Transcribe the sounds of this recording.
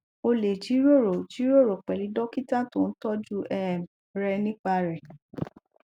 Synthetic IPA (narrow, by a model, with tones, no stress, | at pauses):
o˧le˨d͡ʒi˨˦ɾo˦˨ɾo˨d͡ʒi˨˦ɾo˦˨ɾo˨k͡pɛ˨li˨˦dɔ˦ki˦tã˦˨to˦˧n̩˦tɔ˦d͡ʒu˦ɛ˦˨m | ɾɛ˧nĩ˦k͡pa˧ɾɛ˨